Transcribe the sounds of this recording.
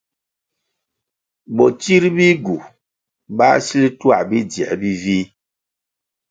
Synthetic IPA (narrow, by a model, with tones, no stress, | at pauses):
bɔ˨t͡ʃi˦ɾbi˦ɡu˨ | ba̰˦si˦li˦twa̰˦˨bi˦djɛ̰˨bi˦vi˦